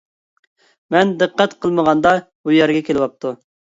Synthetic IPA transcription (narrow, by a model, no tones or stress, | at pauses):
mɛnd̪ɨqːɛt̪qʰəlˠməʁɑnd̪ɑbujɛɾɡʲɛkʲelɪwɑp̚t̪ʰu